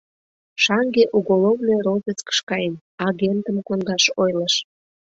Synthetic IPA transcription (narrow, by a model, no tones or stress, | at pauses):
ʃɑŋɡeʔuɣolovnejɾovʲet͡skə̥ʃkɑjen | ɑɣʲent̪əmkond̪ɑʃojləʃ